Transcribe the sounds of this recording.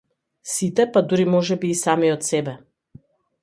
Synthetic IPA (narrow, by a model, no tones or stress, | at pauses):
sit̪ɛpad̪uɾimɔʒɛbiːsamiɔt̪sɛbɛ